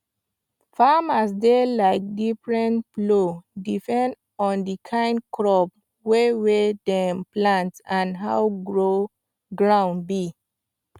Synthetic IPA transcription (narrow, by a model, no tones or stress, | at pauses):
famas̬delaɪk̚difɹɛ̃ntflodipɛ̃nd | ɔ̃ndikʰãɪ̃ndkɹɔp | wewedɛ̃mplãntãnɦa̰wɡɹo | ɡɹãʊ̃n̚bi